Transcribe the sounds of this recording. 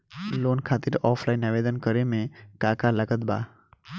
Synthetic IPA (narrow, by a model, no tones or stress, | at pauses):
loːnkʰaːt̪ɪɾɔːpʰlajnəʋeːd̪ənkəɾemẽkaːkaləɡət̪ba̰ː